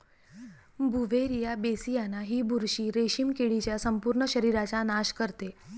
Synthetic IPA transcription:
bʱuʋeɾijabesijanaɦiːbʱuɾɕiːɾeɕiːmkeɭit͡ɕjasəmpuɾɳəɕəɾiɾat͡ɕanaɕkəɾt̪e

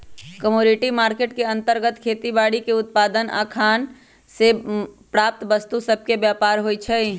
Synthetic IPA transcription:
kəmoːniʈimaːɾkeːʈkeə̃nt̪əɾɡət̪kʰeːt̪ibaːɽikeʊt̪̚paːd̪ənʔa̰kʰaːn | sepɾaːp̚t̪bəst̪usəb̚ʱkebjaːpaːɾɦoit͡ʃʰɛi

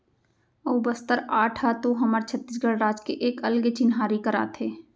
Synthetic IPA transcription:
oːbəst̪əɾaːʈʰat̪oɦɐməɾt͡ʃʰət̪ːis̬ɡəɽɾaːd͡ʒkeʔeːkəlɡet͡ʃɪnɦaːɾikəɾa̰ːt̪ʰeː

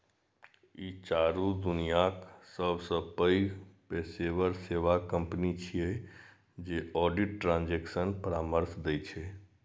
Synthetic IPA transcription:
it͡ʃaɾud̪unijaksəbʱsə̃pəipeseʋəɾseʋakəmpnit͡ʃʰije | d͡ʒeɔɖiʈːɾãnd͡ʒeksənpəɾaməɾsd̪ɛt͡ʃʰe

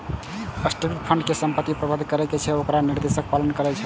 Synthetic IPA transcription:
əsʈipiʈ̚pʰəɳɖkesəmpət̪ːipɾəbəd̪ʱkəɾɛket͡ʃʰɛokɾaniɾd̪esək̚palənkəɾɛt͡ʃʰɛ̥

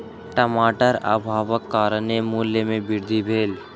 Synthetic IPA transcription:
ʈəmaːʈəɾa̰ːbʱaːʋəkːaːɾənemuːljəmẽbɪɾd̪ʱibʱeːl

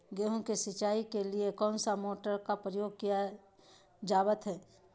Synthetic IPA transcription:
ɡeːɦõkesɪt͡ʃaːikeliekɔ̃ːnsamoːʈəɾkapɾəjoːɡ̚kija | d͡ʒaːbət̪ɦɛː

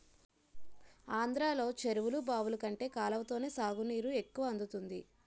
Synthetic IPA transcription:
aːnd̪ɾaːlo̞ːt͡ʃe̞ɾuʋulubaːʋulukɐɳʈe̞ːkaːlɐʋɐt̪o̞ːne̞ːsaːɡuniːɾue̞kːuʋɐɐnd̪ut̪und̪i

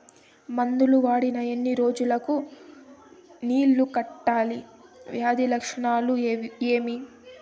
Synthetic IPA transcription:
mɐnd̪uluʋaːɽinɐenːiɾo̞ːd͡ʒulɐku | niːlːukɐʈːaːliʋjaːd̪ilɐkʂɐɳaːlueːmi

